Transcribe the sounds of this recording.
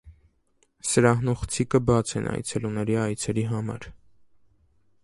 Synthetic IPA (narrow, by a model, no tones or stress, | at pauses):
səɾɑhnuχt͡sʰikəbɑt͡sʰɛ̰nʔɑ̰jt͡sʰɛlunɛɾiɑjt͡sʰɛɾiɦɑmɑ̰ɾ